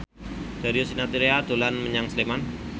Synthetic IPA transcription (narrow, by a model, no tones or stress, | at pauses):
d̥aɾiosinat̪iɾead̪̥olanməɲaŋsleman